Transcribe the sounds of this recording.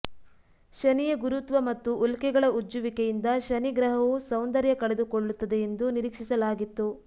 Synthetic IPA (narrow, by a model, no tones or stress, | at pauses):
ʃɐnijɐɡuɾut̪ʋɐmɐt̪ːuʔːlkɛɡɐɭɐʔud͡ʒːuʋikejind̪ɐʃɐniɡɾɐɦɐʋusɐwnd̪ɐɾjɐkɐɭed̪ukoɭːut̪ːɐd̪eend̪uniɾiːkʂisɐlaːɡit̪ːu